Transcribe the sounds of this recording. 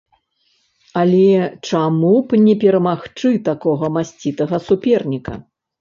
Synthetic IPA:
alʲɛt͡ʂamupnʲɛpʲɛɾɐmaxt͡ʂɨt̪akɔɣɐmasʲt͡sʲit̪ɐɣɐsupʲɛrnʲikɐ̰

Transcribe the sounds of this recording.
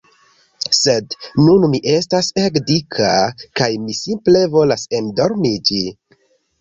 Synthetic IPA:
se̞dnunmiʔe̞stasekdikʰakajmisimple̞vo̞lasendo̞ɾmid͡ʒi

